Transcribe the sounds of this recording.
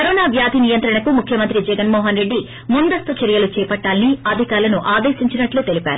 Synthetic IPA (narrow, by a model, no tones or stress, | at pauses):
kɐɾɔːnaːʋjaːd̪ʱinijɐnt̪ɾɐɳɐkumukʰjɐmɐnt̪ɾid͡ʒɛɡɐnmɔːɦɐnɾe̞ɖːi | mund̪ɐst̪ut͡ʃɐɾijɐlut͡ʃɛːpɐʈːaːlɐniɐd̪ʱikaːɾlɐnuʔaːd̪eːʃiɲt͡ʃinɐʈluːt̪e̞lipaːɾu